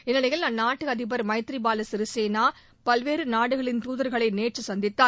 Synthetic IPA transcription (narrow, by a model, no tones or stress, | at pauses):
ɪnːɪlɐjɪlnɐnːaːʈːɯɐðɪpɐɾmɐɪt̪ɾibaːlɐsɪɾɯseːnaː | pɐlʋeːɾɯnaːɽɯɣɐɭɪnt̪uːðɐɾɣɐɭɐɪneːʈt͡ʃːɯsɐnd̪ɪt̪ːaː